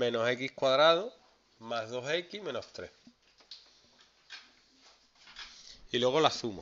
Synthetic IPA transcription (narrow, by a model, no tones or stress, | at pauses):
mẽ̞nose̞kihkwaðɾað̞o | maɦðo̞se̞kihmẽ̞no̞ht̪ɾeh | ilwe̞ɣ̞o̞lasumo